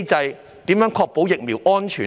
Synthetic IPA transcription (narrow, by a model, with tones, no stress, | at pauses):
t͡sɐ˧j | t̪iː˨˥mjœː˨˥ŋkʰɔː˧k̚po˨˥wjɪ˨k̚miː˨˩wʔɔː˥nt͡ʃʰyː˨˩